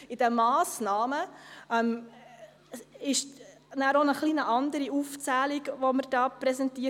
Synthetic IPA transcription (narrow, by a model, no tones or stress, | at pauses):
ɪd̥əmɑːsnɑːməɛm | ɪʃ | næːɾonəχlinəʔɑndəɾiuft͡sæːliɡʋoməɾd̥ɑːpɾɛsɛntiə